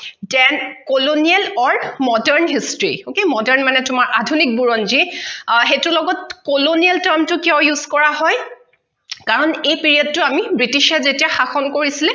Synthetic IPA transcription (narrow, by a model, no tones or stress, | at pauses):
tɛnkolonialɔɹmɔdɛɹnɦistɹḭokemɔdɛɹnmanɛtʊmaɹʔadʱunik̚buɹɔnd͡ʒixetʊlɔɡɔtkolonialtɛɹmtʊkiɔwjuz̥kɔɹaɦɔj | kaɹɔnejpiɹiɔd̚tʊamibɹitiʃɛzetijaxaxɔnkoɹisilɛ